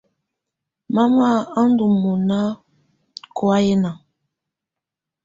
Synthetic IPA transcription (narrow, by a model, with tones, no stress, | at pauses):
ma˦ma˦a˦n˦du˨mɔ˨na˦ | ko˦a˦je˦na˨